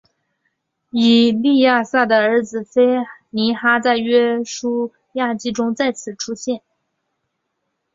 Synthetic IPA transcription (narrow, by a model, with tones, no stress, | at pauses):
i˨˩li˥˧ja˥˧sa˥˩d̪ə˩ə˞˧˥d͡zɹ̩˨˩fe˥ɪni˧˥xa˥t͡sa˥˩ɪɥɛ˥ʂu˥ | ja˥˩t͡ɕi˥ʈ͡ʂʊ˥ŋt͡sa˥˩ɪt͡sʰɹ̩˨˩ʈ͡ʂʰu˥ɕjɛ˥˩n